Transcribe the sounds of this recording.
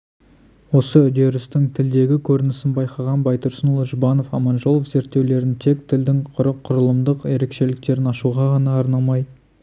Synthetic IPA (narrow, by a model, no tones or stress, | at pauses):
wo̞səʏd̪e̞ɾʏst̪ɪŋt̪ʰɪld̪e̞ɡʲɪkʲʰɵɾɪnɪsɪnbɑjqɑʁɑnbɑjt̪əɾsənulˠʒʊbɑno̞fɑmɑnʒo̞lˠofze̞ɾt̪ːe̞wle̞ɾɪnt̪ʰe̞k̚t̪ʰɪld̪ɪŋqʰʊɾəqʰːʊɾəlˠəmd̪əqe̞ɾe̞kʃe̞lɪk̚t̪e̞ɾɪnɑʃuʁɑʁɑnɑːɾnɑmɑj